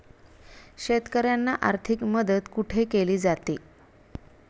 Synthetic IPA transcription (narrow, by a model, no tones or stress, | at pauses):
ɕet̪kəɾjanːaʔaɾt̪ʰikməd̪əd̪kuʈʰekeliːd͡zat̪i